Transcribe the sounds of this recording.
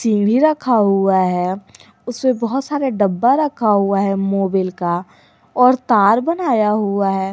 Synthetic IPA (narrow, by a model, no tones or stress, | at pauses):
sĩːŋɡɽ̤iɾɐkʰːaɦuaɦɛ | ʊsmẽbɔɦʊt̪saːɾeɖɐbːaɾɐkʰaɦuaɦɛmoːbɪlka | ɔːɾt̪aːɾbənaːjaɦuaɦɛː